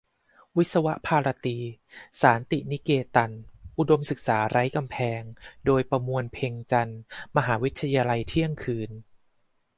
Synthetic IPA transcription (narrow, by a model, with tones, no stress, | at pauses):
wi˦˥t̪̚sa˧wa˦˥ʔpʰaː˧ɾa˧t̪iː˧saː˩˦nt̪i˨˩ni˦˥keː˧t̪a˧nʔu˨˧˩do˧msɯ˨˩k̚saː˩˦ɾa˦˥jka˧mpʰɛː˧ŋdoː˧jpɾa˧mu˧ənpʰeː˧ŋt͡ɕa˧nma˧ɦaː˩˦wi˦˥t̪ʰːa˧jaː˧la˧jt̪ʰi˥˩əŋkʰɯː˧n